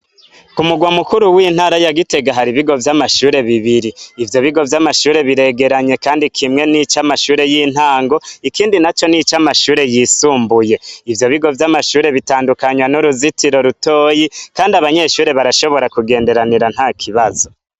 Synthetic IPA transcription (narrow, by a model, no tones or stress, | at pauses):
umuɡwamukuɾuwiːn̥haːɾajaɡite̞ɡaɦaɾiβiɡo̞vjamaʃuːɾe̞βiβiɾiːvjo̞βiɡo̞vjamaʃuːɾe̞βiɾe̞ɡe̞ɾaɲe̞kaːndikʰimŋe̞nit͡ʃamaʃuːɾe̞jiːn̥haːŋɡo̞ikiːndinat͡ʃo̞nit͡ʃamaʃuːɾe̞jisuːmbuje̞ivjo̞βiɡo̞vjamaʃuːɾe̞βitaːndukaɲwanuɾuzitiɾo̞ɾutoːjikaːndiaβaɲe̞ʃuːɾe̞βaɾaʃo̞βo̞ɾakuɡe̞ːnde̞ɾaniɾan̥haːkʰiβazo̞